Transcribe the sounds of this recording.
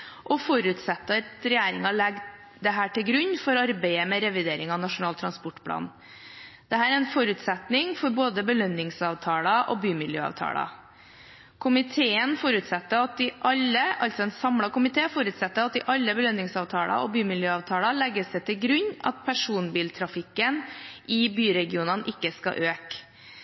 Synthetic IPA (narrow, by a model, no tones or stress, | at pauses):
ʔɔfɔɾʉt̪sɛt̪ːət̪ɾɛjeːɾɪŋɑlɛɡ | d̪ɛɦæːʈɪlɡɾʉɲːfɔɾɑɾbæɪəmɛɾɛʋɪd̪eːɾɪŋɑnɑʂʊnɑːlt̪ʰɾɑnspɔʈːpʰlɑ̰ːn | d̪̥ɛɦæːɾæɾɛnfɔɾʉt̪sɛt̪nɪŋfɔɾboːd̪əbəlœnːɪŋsɑːʋt̪ʰɑːlɑʔɔ̰byːmɪljø̰ːɑ̰ʋt̪ʰɑ̰ːlɑ̰ | kʰʊmɪt̪ʰeːənfɔɾʉt̪sɛt̪ːəɑt̪̚d̪ɪʔɑlːəɑltsɔɛnsɑmlɑkʊmɪt̪ʰeːfɔɾʉːt̪sɛt̪ːəɑt̪̚d̪ɪʔɑlːəbəlœnːɪŋsɑːʋt̪ʰɑːlɑ̰ɔ̰byːmɪljøːɑːʋt̪ʰɑːlɑlɛɡːəsdɛt̪ʰɪlɡɾʉɲːɑ̰t̪̚pʰæʂuːnbiːlt̪ʰɾɑfɪkːənʔɪbyːɾɛɡɪuːnɑnʔɪkːəskɑ̰ʔøːk